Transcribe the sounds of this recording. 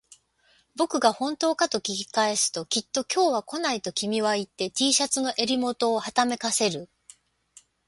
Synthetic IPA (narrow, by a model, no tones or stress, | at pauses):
bo̞kɯ̟ɡahõ̞nt̪o̞ːkat̪o̞kʲikʲikae̞sɨ̥t̪o̞kʲit̪ːo̞kʲo̞ːβ̞ako̞nait̪o̞kʲimʲiβait̪ːe̞t̪ʲiːɕat͡sɨno̞ʔe̞ɾʲimo̞t̪o̞ːhat̪ame̞kase̞ɾɯ̟